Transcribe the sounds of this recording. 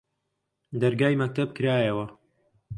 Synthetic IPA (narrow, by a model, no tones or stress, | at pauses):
d̪ɐɾɡaːjmɐk̚t̪ʰɐb̚kɨɾaːjɐwɐ